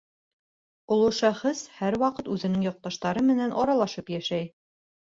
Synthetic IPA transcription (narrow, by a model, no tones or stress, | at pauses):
ŏlˠuʃæχɘshæɾwɑqɤt̪ʉðɘ̆nɘŋjɒq̚t̪ɑʃt̪ɑɾɤmɘ̆nænʔɒɾɑlˠɑʃɤpjæʃæj